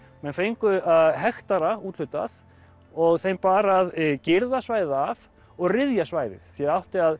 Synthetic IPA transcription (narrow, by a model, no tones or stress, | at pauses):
mɛnfejŋkʏaðɦɛxt̪aɾauːt̪l̥ʏt̪a̰s | ɔɣθejmpaːɾaðcɪɾðasvaːjðɪðav | ɔɣrɪðjasvaːjðɪ̰θθjɛðawht̪ɪað